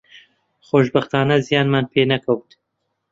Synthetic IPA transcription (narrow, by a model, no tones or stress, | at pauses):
xoːʃbɐxt̪aːnɐzijaːnmaːnpʰeːnɐkʰɐwt̪